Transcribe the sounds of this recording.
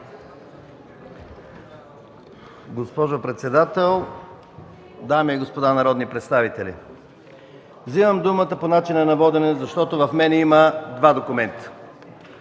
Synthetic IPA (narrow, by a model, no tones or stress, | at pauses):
ɡospɔʒopɾɛt̪sɛd̪at̪ɛlˠ | d̪amiiɡospod̪anɐɾɔd̪nipɾɛt̪st̪avit̪ɛlʲḭ | vzivəmd̪umət̪əponat͡ʃinənɐvɔd̪ɛnɛzɐʃt̪ɔt̪ovɐfmɛnɛiməd̪vad̪okʊmɛnt̪ə̥